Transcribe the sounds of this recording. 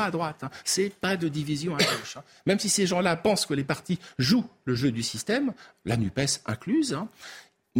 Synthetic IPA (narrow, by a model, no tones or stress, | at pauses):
ad̪ʁwat̪ɛ̃sɛpad̪əd̪ivizjɔ̃aɡoʃɛ̃ | mɛmsiseʒɑ̃lapɑ̃skəlepaʁt̪iʒuləʒød̪ysist̪ɛmla̰nypɛsɛ̰̃klyzɛ̃